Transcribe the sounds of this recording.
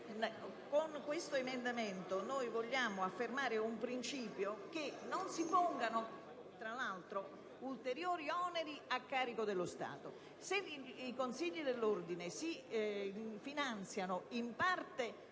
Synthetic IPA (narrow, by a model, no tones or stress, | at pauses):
koŋkwest̪oemend̪ament̪onojvoʎːaːmʊafːermaːɾɪumpɾint͡ʃiːpjok̟enːonsipɔŋɡano | t̪ɾalalt̪ɾo | ult̪eɾjoːɾiɔːneɾiakːaːɾikod̪elːost̪a̰ːt̪o | seikonsiʎːid̪elːord̪inesi | finant̪sjanoimpart̪ɪ